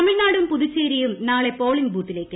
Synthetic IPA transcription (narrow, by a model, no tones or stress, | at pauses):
ɐmiɻnaːɽumpuðut͡ɕːeːɾijumnaːɭe̞po̞ːɭiŋɡbuːʈːile̞ːkːɨ